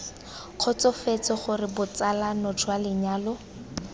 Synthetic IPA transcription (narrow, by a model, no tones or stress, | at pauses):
q͡χʰɔt͡sɔfet͡sɔχʊrɪbʊt͡salanɔtʰwalɪɲaːlʊ